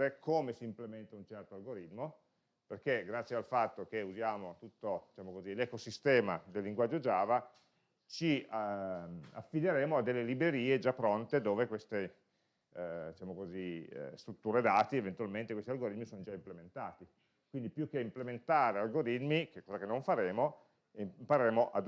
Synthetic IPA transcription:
ɾekʰoːmesiːmplement̪aunt͡ʃɛrt̪oalɡoɾit̪mo | perkeɡɾat̪sjealfat̪ːok̟euzjaːmot̪ut̪ːod̪̥it͡ʃaːmokozilekosist̪ɛːmad̪elːiŋɡwad͡ʒːod͡ʒaːva | t͡ʃi | a̰fːid̪eɾeːmoad̪ːelːelibɾeɾiːed͡ʒapːɾont̪ed̪oːvekwest̪e | d̪it͡ʃamokozḭst̪ɾut̪ːuːɾed̪aːt̪ievent̪ualment̪ekwest̪ialɡoɾit̪misonod͡ʒaimplement̪aːt̪i | kwind̪ipjukːeimplement̪aːɾealɡoɾit̪mikekːɔːzakenːoɱfaɾeːmo | impaɾeɾeːmoʔa̰d̪

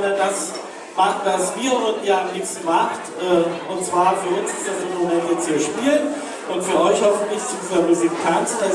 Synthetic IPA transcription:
nɐndas | maχtd̥asv̥iːɐvʏɐdn̩jaːamniːpstn̩maktʔɛːʔʊntt͡sv̥aːɐfyːɐʔʊnsɪ̥stjaːzoːnmomɛntasiːɐʃpiːlən | ʔʊntfyːɐʔɔʏçhɔfn̩tlɪçsudiːzɐmuzikkʰansa

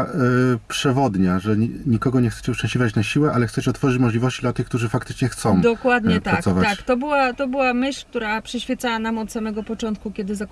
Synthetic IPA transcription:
pʂɛvɔd̪ɲaʐɛɲikɔɡɔɲɛxt̪ɛ̥t͡ɕɛʂt͡ʂɛ̃ɕʲlʲivʲjat͡ɕnaɕiwɛʔalɛxt̪sɛt͡ɕɛɔt̪fɔʐɘt͡ɕmɔʐlʲivɔɕt͡ɕid̪lat̪ɘxkt̪uʐɘfakt̪ɘ̥t͡ʂɲɛxt̪sɔ̃w̃d̪ɔkwad̪ɲɛpt̪aɾak̪ɔvat̪at͡ɕkt̪ɔbɘwat̪ɔbɘwamɘɕlʲk̚t̪uɾapʂɛɕfʲjɛt̪sawanamɔt̪samɛɡɔpɔt͡ʂɔnt̪̚kukʲɛd̪ɘza

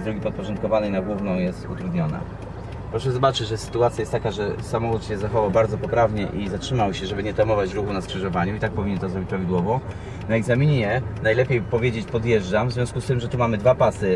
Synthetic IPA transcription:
d̪ɾɔɡʲipɔt̪̚pɔʐɔnt̪̚kɔvanɛjnaɡwuvnɔ̃w̃jɛst̪ut̪ɾud̪ɲɔna̰ | pɾɔʂɛzɔbat͡ʂɘd͡ʑʐɛsɘ̥t̪uat̪sʲjajɛst̪ːakaʐɛsamɔxut̪ɕɛzaxɔvawbaɾd̪zɔpɔpɾavɲɛʔizatʂɘmawɕɛʐɛbɘɲɛt̪amɔvat͡ɕɾuxunaskʂɘʐɔvaɲuit̪ak̚pɔvʲiɲɛnt̪ɔzɾɔbʲit͡ɕpɾavʲid̪wɔvɔ | naɛɡzamʲiɲɛjɛnajlɛpʲjejpɔvʲjed͡ʑet͡ɕpɔd̪jɛʐd͡ʐamvzvʲɔ̃skust̪ɘmʐɛt̪umamɘd̪vapasɘ

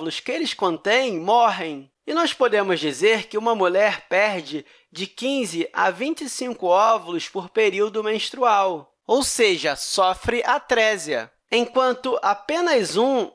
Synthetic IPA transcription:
lʊskɪelɪskõnt̪ẽj̃mɔɦẽj̃ | ɪnɔspod̪ẽmʊzd͡ʒizeɾkɪũmɐmuʎɛɾpɛɾd͡ʒɪ | d͡ʒɪkĩzɪʔa̰vĩnt͡ʃisĩŋkʊɔvɐlʊspoɾpeɾiwd̪ʊmẽʃt̪ɾuaw | owseʒɐsɔfɾɪʔat̪ɾɛziɐ̰ | ẽkwɐ̃nt̪ʊʔapẽnɐzũ

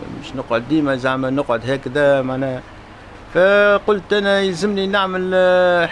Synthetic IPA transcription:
mɪ̰ʃnʊqʕod̪ːiːmæzamænʊqʕod̪ɦæːkd̪æmaʕnæːh | fæqʊlt̪ʔænæjzəmːninaʕməlħ

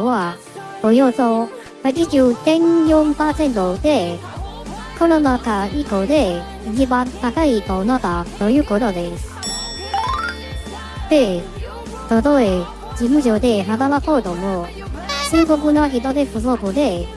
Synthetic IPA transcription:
βḁ | ojoːso | ɾiʑɯːt̪ẽ̞ɲjõmpaːsẽ̞nt̪od̪e̞ | koɾonakaikod̪e̞ | iɲibãnt̪akait̪onat̪at̪o̞jɯ̟ːkot̪o̞d̪e̞sɨ̥ | d̪̥e̞ | t̪od̪oe | d͡ʑimɯ̟ʑod̪e̞ɦaɡanakod̪omo | t͡ɕɯːɡobɯ̟noçit̪od̪e̞ɸɯsobɯd̪e̞

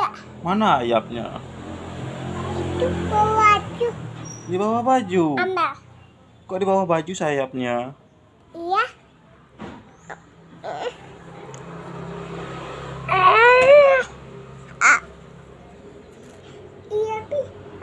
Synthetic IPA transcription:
a | manaːja̰p̚ɲa̰ | it̪ubawad͡ʒudibawahbad͡ʒuamba | kɔʔdibawahbad͡ʒusajap̚ɲa | ija | a | ijapi

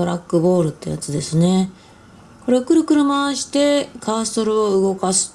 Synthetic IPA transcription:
oɾakːɯ̟bo̞ːɾɯ̟t̪ːe̞ja̰t͡sɨd̪e̞sɨne̞ | ko̞ɾe̞okɯ̟ɾɯ̟kɯ̟ɾɯ̟maɕi̥t̪e̞kaːso̞ɾɯ̟o̞ɯ̟ɡo̞kasɨ̥

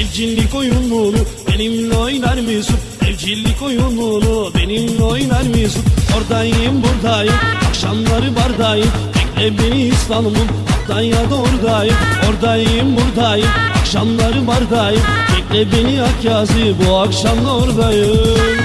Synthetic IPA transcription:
ɛvd͡ʒilʲːikojunmunubenimlojinaɾmisut̪ | ɛld͡ʒilʲːikojunmunubenimlojinaɾmisut̪oɾd̪ajɯmbuɾd̪ajɯmakʃamlˠaɾɯbaɾd̪ajɯm | pʰɛk̚ʲlɛbeniːst̪anumun | at̪d̪anjad̪aoɾd̪ajɯoɾd̪ajɯɯmbuɾd̪ajɯakʃamlˠaɾɯbaɾd̪ajɯt̪ʰɛk̚ʲlɛbeniakjaːzɯbuakʃamd̪ˠaoɾd̪ajɯ

